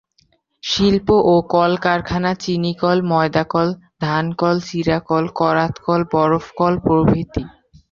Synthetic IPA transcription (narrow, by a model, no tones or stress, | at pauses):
ʃilpoʔokɔlkaɾkʰanat͡ɕinikɔlmɔed̪akɔld̪ʱankɔlt͡ɕiɾakɔlkɔɾat̪kɔlbɔɾofkɔlpɾobʱit̪i